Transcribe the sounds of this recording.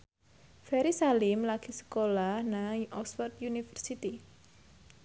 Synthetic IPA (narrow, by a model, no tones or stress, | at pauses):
fɛɾisalimlaɡ̥isə̥kolahnaʔɔksfərt̪junifərsit̪i